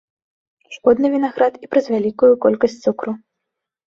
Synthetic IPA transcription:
ʂkɔd̪nɨvʲinaɣɾat̪ipɾɐzʲvʲalʲikujukɔlʲkɐsʲtʲt͡s̪ʲsukɾu

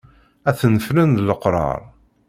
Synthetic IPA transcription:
æθənəflənðləqɾˤɑ̰ɾˤ

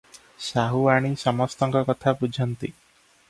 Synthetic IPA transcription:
saɦuaɽ̃isɔmɔst̪ɔŋkɔkɔt̪ʰabud͡ʒʱɔnt̪ḭ

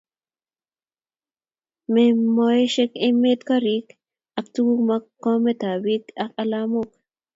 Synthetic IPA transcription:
mɛmːoɛʃɛkɛmːet̪kɐɾiːk | ɐkt̪uɡumɐkːomɛt̪aːbiːkɐkʼɐlaːmok

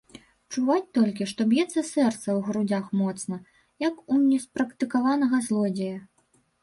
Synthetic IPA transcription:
t͡ʂuvat͡sʲt̪ɔlʲkʲiʂt̪ɔbʲjɛt̪sːɐsɛrt̪sɐwɣɾud͡zʲaxmɔt̪snɐ | jɐkunʲɛspɾɐkt̪ɨkavanɐɣɐzlˠɔd͡zʲejɐ

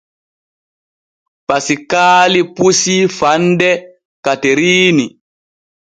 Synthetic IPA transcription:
pasikaːlipusifandɛ | kateɾiːni

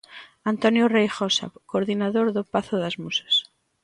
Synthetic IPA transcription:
ant̪onjorejxosa̰koɾðinaðoɾðopaθoðazmusḁs

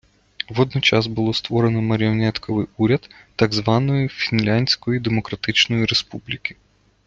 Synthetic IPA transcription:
ʋɔd̪nɔt͡ʃɑzbʊlˠɔst̪ʋɔɾenɔmɐɾʲiɔnɛt̪kʰɔʋɪjuɾʲɐd̪ː | ɑɡzʋɑnɔjifʲinlʲanʲsʲkɔjid̪emɔkɾɐt̪ɪt͡ʃnɔjiɾespublʲikʲi̥

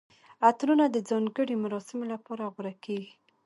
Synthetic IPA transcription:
at̪ɾunad̪əd͡zɑŋɡəɽemaɾɑsɪmolapɑɾaɣʊɾakeɡi

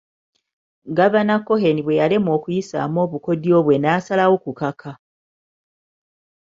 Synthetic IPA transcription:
ɡaβanakːo̞he̞niβwe̞jale̞mo̞ːkujisa̰ːmo̞ːβuko̞djo̞ːβwe̞naːsalawokukakʰa

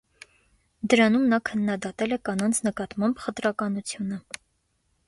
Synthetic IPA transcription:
d̪əɾɑnumnɑkʰənːɑd̪ɑt̪ɛlɛkɑnɑnt͡sʰnəkɑt̪mɑmbχət̪ɾɑkɑnut͡sʰjunə

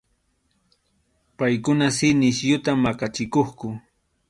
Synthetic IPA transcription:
pajkʊnasɪnɪsjʊt̪amːakat͡ʃɪkoχkʊ

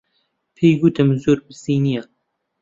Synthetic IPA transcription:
pʰejɡut̪ʰɨmzoːɾbɨsiːnija

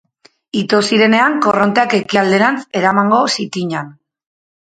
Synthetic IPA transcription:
it̪osiɾe̞ne̞aŋko̞ro̞nt̪eake̞kiald̪e̞nant͡se̞ɾamaŋɡo̞sit̪iɲan

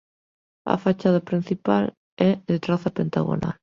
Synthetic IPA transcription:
a̰fat͡ʃað̞apɾin̟θipal | ɛðet̪ɾaθapent̪aɣo̰na̰l

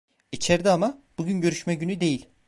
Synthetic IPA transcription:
it͡ʃʰeɾd̪ɛamab̥uɟynɟø̞ɾyʃmɛɟynyd̪e̞jilʲ

